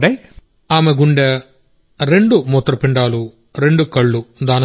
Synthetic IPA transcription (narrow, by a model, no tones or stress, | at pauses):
ɖɐj | aːmeɡuɳɖɐ | ɾe̞ɳɖumɔt̪ːɾɐpiɳɖaːlu | ɾe̞ɳɖukɐɭːud̪aːnɐ